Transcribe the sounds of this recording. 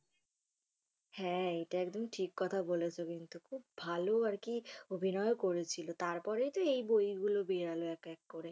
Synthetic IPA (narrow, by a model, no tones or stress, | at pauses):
hɛ̃eʈaɛk̚d̪omʈʰikːɔt̪ʰabolet͡ɕʰokint̪ukʰubːbʱaloaɾkiobʱinɔekoɾet͡ɕʰilot̪aɾpɔɾejt̪oejbojɡulobeɾaloɛkɛkːoɾe